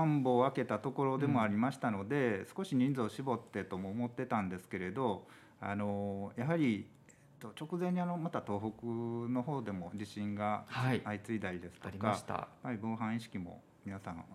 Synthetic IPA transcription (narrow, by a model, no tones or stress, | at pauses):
ãmbo̞ːake̞t̪at̪o̞ko̞ɾod̪e̞mo̞aɾʲimaɕi̥t̪ano̞d̪e̞sɨ̥ko̞ɕiɲ̟ĩnd͡zoːɕibo̞t̪ːe̞t̪o̞moːmo̞t̪ːe̞t̪ãnd̪e̞sɨ̥ke̞ɾe̞d̪o̞ | a̰no̞jaɦaɾʲi | et̪ːo̞t͡ɕo̞kɯ̟zẽ̞ɲ̟ːiano̞mat̪at̪o̞ːɦo̞kɯ̟no̞ɦo̞ːd̪e̞mo̞d͡ʑiɕĩŋɡahaiait͡sɨid̪aid̪e̞sɨ̥oɾikaɕt̪a̰jḁpːaɾʲibo̞ːɦãɰ̃iɕi̥kʲimo̞̰ | mʲinasãɰ̃